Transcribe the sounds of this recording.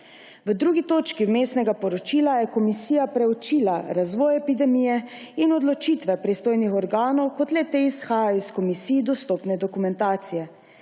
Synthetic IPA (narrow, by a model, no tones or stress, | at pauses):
ʋəd̪ɾuːɡit̪oːt͡ʃkiwmeːst̪nɛɡapɔɾɔt͡ʃiːlajɛkɔmisiːjapɾɛut͡ʃiːlaɾazʋɔːjɛpid̪ɛmiːjɛinɔd̪lɔt͡ʃit̪ʋɛpɾist̪oːjnixɔɾɡaːnɔwkɔt̪lɛt̪eisxaːjaiskɔmisiːjd̪ɔst̪ɔpnɛd̪ɔkumɛnt̪aːt̪sijɛ